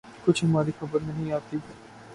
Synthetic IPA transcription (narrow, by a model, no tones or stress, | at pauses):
kʊt͡ʃʰɦɐmaːɾixɐbəɾnɐɦĩaːt̪ib